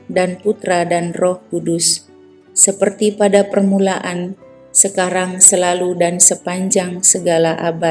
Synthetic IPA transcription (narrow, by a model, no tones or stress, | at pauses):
danput̪ɾadanrɔhkudʊsː | əpərt̪ipadapərmulaʔan | səkaɾaŋsəlaludansəpaɲd͡ʒaŋsəɡalaʔabat̪̚